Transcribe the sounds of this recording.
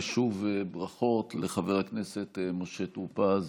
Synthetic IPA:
ʃuvebʁaχo̞tleχaveʁaknesetmoʃet̪upaz

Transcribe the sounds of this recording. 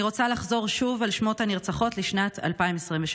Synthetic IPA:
iʁot͡salaχzo̞ʁʃuvalʃmothaniʁt͡saχo̞tliʃnatʰa̰lpaimesʁimveʃ

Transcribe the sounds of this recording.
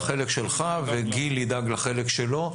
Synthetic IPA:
χelekʃelχaveɡilːid̪aɡlaχelekʃelo̞

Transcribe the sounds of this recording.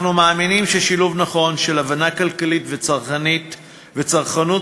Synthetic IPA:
numaːminimʃeʃiluvnaχo̞nʃelavanakalkalitvet͡saʁχanit | vet͡saʁχanu

